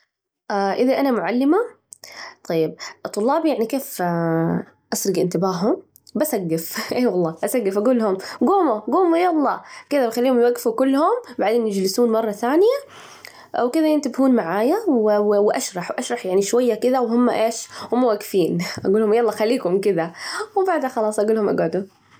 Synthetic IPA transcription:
ʔaːʔɪðaʔanamʊʕalːɪma | t̪ˤɑjːɪb̚t̪ˤːʊlːɑːbijaʕnikeːf | ʔasɾɪɡʔɪnt̪ɪbaːɦʊm | basʔaɡːɪfʔeːwɑlˤːɑːʔasaɡːɪfʔaɡuːlhʊmɡuːmuɡuːmujalˤːɑːkɪðabxalːiːhʊmjwaɡːfukʊlːhʊmbaʕd̪eːnjɪd͡ʒlɪsuːnmɑrˤːɑθaːnɪja | wkɪðajɪnt̪ɪbhuːnmaʕaːjawwʔaʃɾˤɑħwʔaʃɾˤɑħjaʕniʃwajːakɪðawɦʊmːa̰ʔeːʃhʊmːawaɡːfiːnʔaɡuːlhʊmjalˤːɑːxalːiːkʊmkɪd̪awbaʕd̪haxɑlɑːsˤʔaɡuːlhʊmʔa̰ɡʕʊd̪u

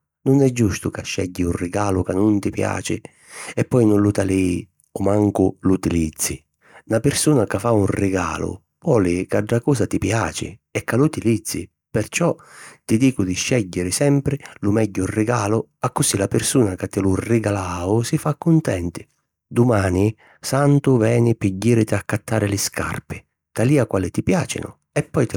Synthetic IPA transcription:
nʊnɛd͡ʒːust̪ʊkaʃːɛ̰ɟːiurɪɡaːlʊkanːʊnt̪ɪpja̰ːt͡ʃɪ̰ | ɛpːɔjnʊnlʊt̪ali | ɔmaŋkʊlut̪ilid̪zːi | napɪɾsuːnakafːaurɪɡa̰ːlʊ̰ | pɔːlɪkaɖːakɔːsat̪ipja̰ːt͡ʃɪ̰ | ɛkːalut̪ilid̪zːḭ | pɪrt͡ʃɔt̪id̪iːkʊd̪ɪʃːɛʎːɪɾɪsɛmpɾɪlʊmɛɟːʊrːɪɡaːlʊ | akːʊsilapɪrsuːnakat̪ːɪlʊrɪɡalaːʊsɪfakːʊnt̪ɛnt̪ɪ̥ | d̪ʊmaːni | sant̪ʊvɛːnɪpiɟːiːɾɪt̪ɪakːat̪ːaːɾɪlɪska̰rpɪ | t̪aliːakwaːlɪt̪ipjaːt͡ʃɪ̰nʊ̰ | ɛpːɔjt̪ɪ

